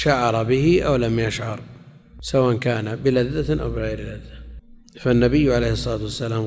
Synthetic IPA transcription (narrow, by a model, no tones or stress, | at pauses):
ʃaʕɑɾˤɑbɪhɪʔawlamjaʃʕɑɾˤ | sawaːʔankaːnabɪlaðːaʔa̰wbɪɣajɾlaðːa | fanːabɪjːʕalejhɨsˤːɑlaːt̪uwasːalaːm